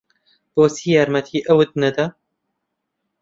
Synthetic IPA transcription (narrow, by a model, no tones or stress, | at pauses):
b̥oːsiːjaːɾmɛt̪ʰiːʔəwɨt̪̚nɨd̪ɐ